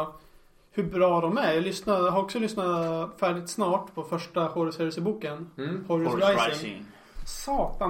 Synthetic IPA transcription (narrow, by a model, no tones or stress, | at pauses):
hɵbɾɑːd̪ɔmæɾjɑlʏsnajɦaɾɔksɔlʏsnafæːɖɪt̪snɑːʈpʰɔfœʂʈaxoːɾəsfɛːɾɪsəbuːkənhɔɾɾajɪŋ̰ŋ | sɑːt̪a